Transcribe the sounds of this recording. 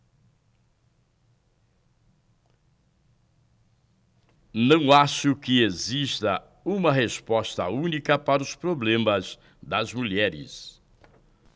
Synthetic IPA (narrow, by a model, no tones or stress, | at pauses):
nɐ̃w̃aʃʊkɪezist̪ɐ | ũmɐɦespɔst̪ɐ̰ũnikɐpaɾɐʊspɾoblẽmɐz | d̪ɐzmuʎɛɾɪ̰s